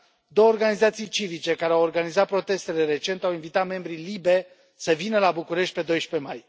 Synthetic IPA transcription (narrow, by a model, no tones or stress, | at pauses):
d̪o̞wəorɡanizat̪sijt͡ʃivit͡ʃe̞kaɾeaworɡanizat̪̚pɾo̞t̪e̞st̪e̞le̞ɾe̞t͡ʃe̞nt̪awinvit̪at̪me̞mbɾilibe̞ | səvinəlabukuɾe̞ʃt̪̚ʲpe̞d̪o̞jʃpe̞maj